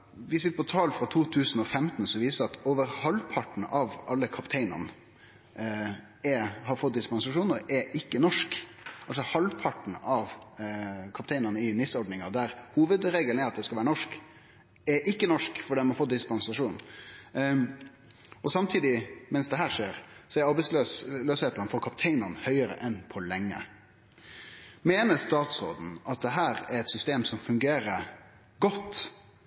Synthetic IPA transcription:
ʋɪsɪt̪ːəpʰɔt̪ʰɑːlfɾɑt̪ʰuːt̪ʰʉːsn̩ɔfɛmt̪n̩sɔʋiːsəɾɑt̪oːʋəɾhɑlpʰɑʈn̩ɑʋɑlːəkʰɑpt̪ʰɛɪnə̰ʁnə | ɛhɑɾfɔt̪̚d̪ɪspɑnsɑʂuːnəɾɛʔɪkːənɔʂk | ʔɑls̬ɔhɑlpʰɑʈɳ̩ɑʋ | kʰɑp̚t̪ɛɪnəɾnəɪnɪsɔɾɖnɪŋɑd̪æɾhuːʋəd̪ɾeːɡl̩æɾɑt̪̚d̪ɛskɑlʋæːɾənɔʂk | ɛɾʔɪkːənɔʂkfɔɖiːmɑfɔːt̪̚d̪ɪspɑnsɑʂuːn | ɔsɑmt̪ʰiːd̪ɪmɛnsd̪ɛɦæːɾʂeːɾsɔɛɾɑɾbɛɪsløløsheːt̪əɾnfɔɾkʰɑpt̪ʰɛɪnəʁnhœʏəɾə̰ʔɛnpʰɔlɛŋːə̰ | meːnəst̪ɑːt̪sɾo̰ːd̪n̩ʔɑt̪̚d̪ɛɦæːɾæɾɛt̪sʏst̪eːmsɔmfʉŋɡeːɾəɾ | ɡɔt̪ː

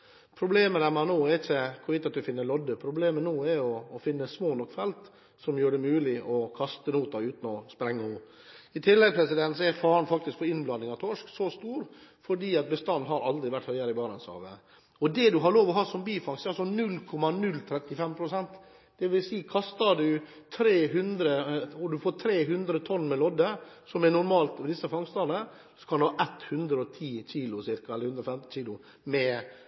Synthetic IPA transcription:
pʰɾʊbleːməd̪æmɛnoːɛɾɪçːəkʰʊɾʋɪt̪ɑt̪̚d̪ʉfɪnːəlɔd̪ːəpʰɾʊbleːmənuːɛɾɔːfɪnːəsmoːnɔkːfɛlt̪ | sɔmjøːɖɛmʉːlɪʔɔkʰɑst̪ənuːt̪ɑʉːt̪n̩ɔspɾɛŋːəuː | ɪt̪ʰɪlːɛɡpʰɾɛsɪd̪ɛnsɔɛɾfɑːɾn̩fɑk̚t̪ɪskpɔɪnblɑnːɪŋɑt̪ʰɔʂksɔst̪uːɾfɔɖiːɑt̪̚bəst̪ɑnːɦɑɾɑld̪ɾɪʋæʈːhœʏɑɾəɪbɑːɾənsɑ̰ːʋə̰ | ɔd̪ɛd̪ʉɦɑɾɭoːʋɔɦɑːsɔmbiːfɑŋsɑlsɔnʉlːkʰɔmːɑnʉlːt̪ʰɾɛt̪ːɪfɛmpʰɾʊsɛnt̪ | d̪̥ɛʋɪlsiːkʰɑst̪ɑɖʉ | t̪ʰɾeːɦʉnd̪ɾəɔɖʉfoːt̪ʰɾeːɦʉnd̪ɾət̪ʰɔnːmɛlɔd̪ːəsɔmɛnʊɾmɑːlt̪ʋd̪ɪsːəfɑŋst̪ɑnə | sɔ̥kʰɑnd̪ʉhɑːʔɛt̪ːhʉnd̪ɾəɔt̪ʰiːçiːlʊsɪɾkɑɛlːɾhʉnd̪ɾɔfɛmt̪nt͡ʃiːlʊ | mɛ

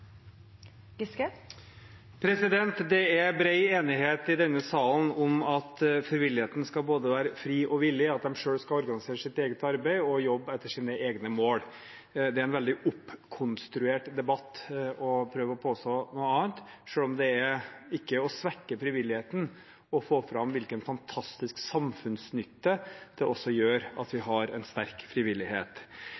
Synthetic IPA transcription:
ɡɪskɛ | pʰɾɛsɪd̪ɛnt̪d̪ɛæbɾæɪeːnɪɦeːt̪ɪd̪ɛnːəsɑːlən̩ɔmɑt̪fɾɪʋɪlːɪheːt̪n̩skɑlboːd̪əʋæːɾəfɾiːʔɔʋɪlːɪɑt̪̚d̪ɛmʂøːɽskɑɔɾɡɑnɪseːɾəʂɪt̪eːɡət̪ɑɾbæɪɔjɔbːɛt̪ːəʂiːnəʔeːɡnəmoːɽ | d̪ɛæɾɛnʋɛld̪ɪʔʊpːkʰʊnst̪ɾʉeːʈd̪ɛbɑt̪ːɔpʰɾøːʋəɔpʰoːst̪oːnuːəɑːnt̪ʂøːlɔmd̪ɛæɾɪkːəɔsʋɛkːəfɾɪʋɪlːɪheːt̪ən | ɔfoːfɾɑmʋɪlkənfɑnt̪ʰɑst̪ɪsksɑmfʉnsnʏt̪ːəd̪̥ɛʔɔsːɔjøːɾɑ̰t̪ʋɪɦɑɾɛnst̪æɾkfɾɪʋɪlːɪɦeːt̪

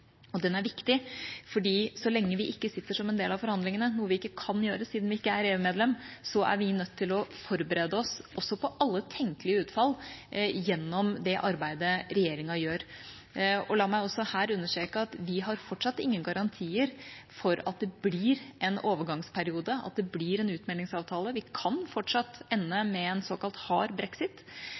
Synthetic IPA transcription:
ɔd̪ɛnæɾʋɪkt̪ɪfɔɖiːsɔlɛŋːəʋɪʔɪkːəsɪt̪ːəʂɔmɛnd̪eːlɑʋfɔɾhɑnd̪lɪŋənənuːəʋɪɪkːəkʰɑnjøːɾəsiːd̪nʋɪɪkːəæɾeːʉmeːd̪lɛmsɔʔæ̰ɾʋɪnœt̪ʰːɪlɔfɔɾbəɾeːd̪əɔsʔɔsːɔpʰɔʔɑlːət̪ʰɛŋkəlɪəʉːt̪fɑlːjɛnːɔmd̪ɛʔɑɾbæɪd̪əɾɛjeːɾɪŋɑjøːɾ | ɔlɑːmæɪɔsːɔhæːɾʉnːəʂʈeːkəɑt̪ʋɪɦɑɾfɔʈʂɑt̪ːɪŋːənɡɑɾɑnt̪ʰiːəɾfɔɾɑ̰t̪̚d̪ɛbliɾʔɛnoːʋəɡɑŋspʰæɾɪuːd̪əɑ̰t̪̚d̪ɛbliːɾɛnʉːt̪mɛlɪŋsɑːʋt̪ʰɑːləʋɪkʰɑnfɔʈʂɑt̪ːɛnːəmɛɛnsoːkɑlt̪hɑ̰ːɾbɾɛksɪt̪

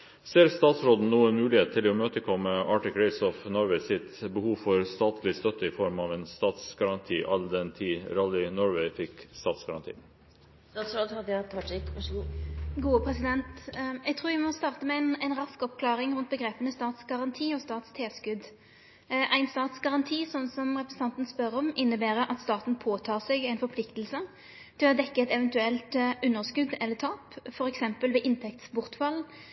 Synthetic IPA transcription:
seːɾst̪ɑːt̪sɾoːd̪n̩uːənmʉːlɪheːt̪t̪ʰːɪlɔmøːt̪əkʰɔmːəɑːʈɪkʰɾɛɪsɔfnɔɾʋɛɪsɪt̪bəhuːʋfɔɾst̪ɑːt̪lɪst̪œt̪əɪfɔɾmɑʋeːnst̪ɑːt̪sɡɑɾɑnt̪ʰḭːʔɑld̪ɛnt̪ʰiːɾɑlɪnɔɾʋeɪfɪkst̪ɑːt̪sɡɑɾɑ̰nt̪ʰḭː | st̪ɑːt̪sɾoːd̪ɑd̪t̪ʰɑɪkɑʂɡuːɡuːəpʰɾɛsɪd̪ɛnt̪jɛɡ̚t̪ʰɾuːɾʋɪmɔst̪ɑːʁt̪əmɛænæɪnɾɑskɔpkʰlɑːɾɪŋɾʉnt̪̚bəɡɾeːpənəst̪ɑːt̪sɡɑʁɑnt̪ʰiːɔst̪ɑːt̪st̪ʰeːskʉd̪ | ʔæɪnst̪ɑːt̪sɡɑʁɑnt̪ʰiːsɔnːsɔmʁɛpɾɛsn̩t̪ɑnt̪n̩spœɾɔmɪnːəbæːɾəʔɑt̪st̪ɑːt̪n̩pʰoːt̪ʰɑːʁsɛɡæɪnfɔɾpʰlɪkt̪lsə | t̪ʰɪlɔd̪ɛkːəɛt̪ɛʋɛnt̪ʉɛlt̪ʉnːəʁskʉd̪ɛlːət̪ʰɑːpfɔɾɛksɛmpəlʋɛʔɪnt̪ʰɛk̚t̪sbʊʁt̪fɑl

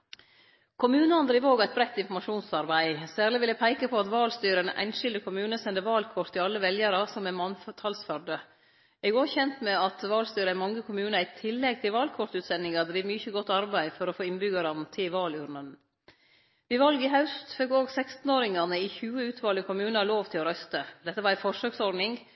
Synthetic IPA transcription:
kʰʊmʉːnɑnd̪ɾiːʋoːɡæɪt̪̚bɾɛt̪ːɪnfɔmɑʃuːnsɑɾbæɪsæːɾɭɪʋɪləpʰæɪkəpʰɔɑt̪ʋɑːlst̪yːɾənʔæ̰ɪnʃɪld̪əkʰʊmʉːnəsɛnd̪əɾʋɑːlkʰɔɾt̪ʰːɪɑlːəʋɛljəɾɑsɔmɛmɑnft̪ʰɑlsfœɾɖə | ɛɡoːçɛnt̪mɛɑt̪ʋɑːlst̪yːɾəæmɑŋːəkʰʊmʉːnəæɪt̪ʰɪlːɛɡ̚t̪ʰɪlʋɑːlkʰɔɾt̪ʉːt̪sɛnɪŋɑd̪ɾiːʋmyçəɡɔt̪ːɑɾbæɪfɔɾɔfoːɪnbʏɡɑɾɑnt̪ʰɪlʋɑːlʉɾnən | ʋɪʋɑlɡɪɦɑʉst̪fɛkoːɡsɛkst̪n̩oːɾɪŋɑnəɪçʉːəʉːt̪ʰʋɑːləkʰʊmʉːnəhɑloːʋt̪ʰɪlɔɾœst̪əd̪ɛt̪ːəʋɑɾæɪfɔʂøːksɔɾd̪nɪŋ

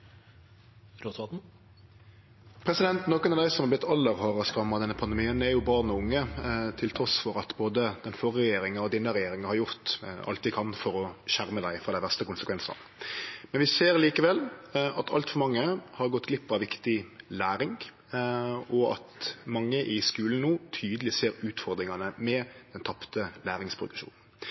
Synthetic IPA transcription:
ɾot̪ʋɑt̪n̩ | pʰɾɛsɪd̪ɛnt̪noːkənɑd̪æɪsɔmhɑʁblɪt̪ʰːɑlːəɾhoːʁəɔskɾɑmːɑd̪ɛnːəpʰɑnd̪ɛmiːənd̪ɛæɾjʊbɑʁnɔʊŋːət̪ʰɪlt̪ʰɾɔsfɔɾɑt̪boːd̪əd̪̥ɛnfɔʁəɛjeːɾɪŋɑɔd̪ɪnːəɾɛjeːɾɪŋɑhɑɾjʊɾt̪ɑ̰lt̪ːɪkʰɑnfɔɾɔʃæɾməd̪æɪfʁɑd̪æɪʋæʁst̪əkʊnsəkʰʋɛnsɑ̰n | mɛnʋɪseːɾliːkəʋɛlɑt̪ʰɑ̰lt̪fɔɾmɑŋːəhɑɾɡɔt̪ːɡlɪpːɑʋɪkt̪ɪlæːɾɪŋ | ɔɑ̰t̪mɑŋːəʔɪskʉːln̩nuːt̪ʰyːd̪əlɪseːɾʉːt̪fɔɾd̪ɾɪŋɑnəmɛd̪̥ɛnt̪ʰɑpt̪əlæːɾɪŋspʰɾʊd̪ʉʃṵːnn̩

